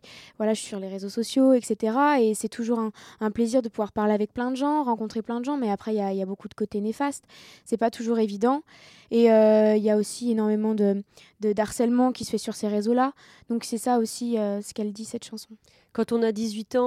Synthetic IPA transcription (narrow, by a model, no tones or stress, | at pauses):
vwalaʒəi̥syʁleʁezosɔsjoɛkset̪eʁaesɛt̪ʰuʒuʁɛ̃ɛ̃pleziʁd̪əpuvwaʁpaʁleavɛk̚plɛ̃d̪əʒɑ̃ʁɑ̃kɔ̃t̪χeplɛ̃d̪əʒɑ̃mɛapχɛiljailjabokud̪əkot̪enefast̪ | sɛpat̪uʒuʁevid̪ɑ̃ | eøiljaosienɔʁmemɑ̃d̪ə | d̪əd̪aʁsɛlmɑ̃kʲi̥sə̥fɛsyʁseʁezola | d̪̥ɔ̃ksɛsaosiøsə̥kɛld̪isɛt̪ʃɑ̃sɔ̃ | kɑ̃t̪ɔ̃nad̪izɥit̪ɑ̃